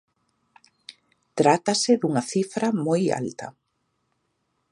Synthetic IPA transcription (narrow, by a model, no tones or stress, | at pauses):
t̪ɾat̪asɪðuŋɐθifɾamoja̰lt̪ɐ̰